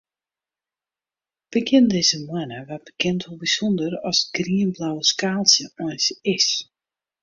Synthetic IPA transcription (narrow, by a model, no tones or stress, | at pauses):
b̥əkɪndɪzəmwɛnəʋat̚b̥əkʰɪntʰolˠbisɔndərɔsɡriənblawəskaːlˠsjəɔjnsɪs